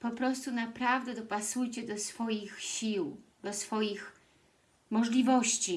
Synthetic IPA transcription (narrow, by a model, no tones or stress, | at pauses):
pɔpɾɔst̪unapɾavd̪ɛd̪ɔpasujt͡ɕɛd̪ɔsfɔjixɕiwd̪ɔsfɔjix | mɔʐlʲivɔɕt͡ɕi